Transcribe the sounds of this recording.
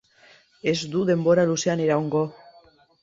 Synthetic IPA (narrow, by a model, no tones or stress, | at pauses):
e̞zd̪uðe̞mbo̞ɾaluse̞aneɾaoŋɡo̞